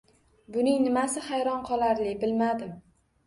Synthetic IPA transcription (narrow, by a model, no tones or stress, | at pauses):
bʊnɪŋnɪmasɪχajɾɒnqʰɒlˠaɾlɪbɪlmad̪ɪm